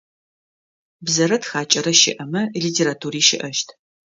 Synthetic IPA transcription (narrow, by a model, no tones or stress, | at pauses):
bzɐɾɐtxaːt͡ʃʼɐɾɐʃɪ̰ʔɐmɐlitʰeːɾatʰuːɾiːʃɪʔɐʃtʰ